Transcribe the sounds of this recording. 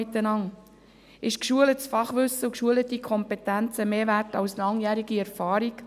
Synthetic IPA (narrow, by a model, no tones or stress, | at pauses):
ɪt̪ːənɑŋ | ʔɪʃkʃuələtsfɑχʋɵsːəukʃuələt̪ikʰɔmpɛtænt͡səmeːʋæɾtɑwslɑŋjæːɾiɡiɛɾfɑːɾik